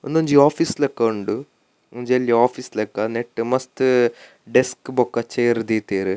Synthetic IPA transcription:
und̪uɲd͡ʒiaːfiːslekːɐuɳɖu | uɲd͡ʒelːiaːfiːslekːɐneʈːɨmɐst̪ɨ | ɖeskbɔkːɐt͡ʃːejɾd̪iːt̪eːɾɨ

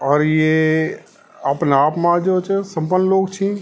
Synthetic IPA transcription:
ɔːɾje | aːpnaːpmãd͡ʒot͡ʃʰəsə̃mpənːəloːk̚t͡ʃʰĩ

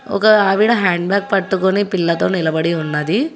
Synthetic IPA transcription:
ɔ̰kɐaːʋiɽɐɦaːɳɖbjaːk̚pɐɽʈːukonipilːɐt̪oːnilɐbɐɽiunːɐd̪i

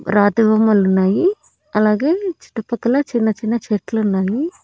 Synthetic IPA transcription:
ɾaːd̪ɐʋɐmɐlunːaːji | ɐlaːɡe̞ːt͡ʃi̥ʈːɐpɐkːɐlɐt͡ʃinːɐt͡ʃinːɐt͡ʃeːʈlunːaːji

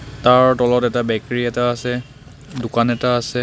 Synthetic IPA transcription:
taɹtɔlɔtɛtabɛkɹiɛtaːsɛ | dʊkanɛtaːsɛ

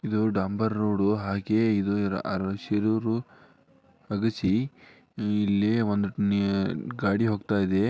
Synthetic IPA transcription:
id̪uɖaːmbɐɾːoːɽuɦaːɡeid̪uɾ̰ʔɐɾʃiɾuːɾu | ɐɡɐsi | ilːeʋond̪unɡaːɽiɦoːɡt̪aːjid̪e̞

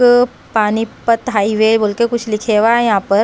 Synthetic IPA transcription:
panipət̪ɦaiʋebolkekut͡ɕʰlikʰeʋajãpəɾ

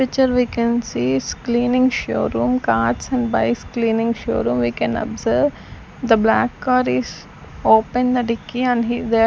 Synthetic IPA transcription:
ɪt͡ʃəɾʋiːkɛ̃nsiːsklĩːnɪ̃ŋɡʃo̰ːɾũːmkaːɾʈsɛ̃ɳɖbaɪsklĩːnɪ̃ŋɡʃo̰ːɾũːmʋiːkɛ̃nɔ̰bzəɾʋ | d̪əblækːɔːɾiz | oːpə̃nd̪əɖɪkːiɛ̃ɳɖɦid̪e

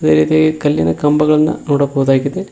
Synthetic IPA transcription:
ðɐɾiːt̪jeːkekɐljɐnɐkɐmbɐɣɐɭenːɐ̰noːɽɐkːuʋɐðaːkːit̪ːe

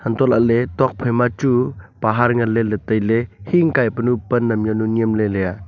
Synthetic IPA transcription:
hantɔlaʔletɔk̚pʰəjmat͡ʃupaɦaɾŋɐlːelətəjlehiŋkajpənupənːɐmjɔnuniəmleleja

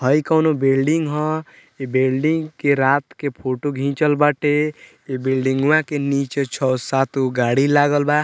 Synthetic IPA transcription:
ɦəjkəwnobelɖiŋɡɦɔ̃ | ebelɖiŋɡkeɾat̪kepʰoʈoɡʱĩt͡ʃəlbaʈe | ebilɖĩŋɡʋãkenit͡ʃet͡ʃʰɔsat̪uɡaɽilaɡəlba

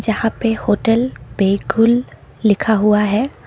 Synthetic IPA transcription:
zahapɛhotɛlbeɡʊlː | ikʰaɦʊwaɦɛ

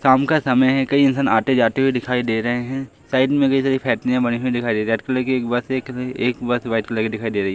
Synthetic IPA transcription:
saːmkasɐməjɦɛkɐiɪnsaːnaːt̪ed͡ʒaːt̪eɦuid̪ɪkʰaːid̪eːɾɐɦeɦɛ̃ː | saːɪɖmẽkɐisaːɾipʰɛːʈnɪjãbɐñiɦuid̪ɪkʰaːid̪eːɾɛːʈkɐlekeːkbɐsekeːkbɐsʋaːɪd̪klaked̪ɪkʰaːid̪eːɾɐɦiɛ

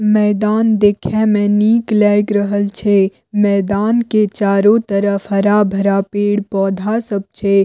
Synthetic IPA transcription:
mɛːd̪aːnd̪eːkʰɛmɛ̃niːklɛːɡɾəɦəlt͡ʃʰe | mɛːd̪aːnket͡ʃaːɾõt̪əɾəfɦɐɾabʱɐɾapeːɽpɔːd̪ʱasəb̚t͡ʃʰe

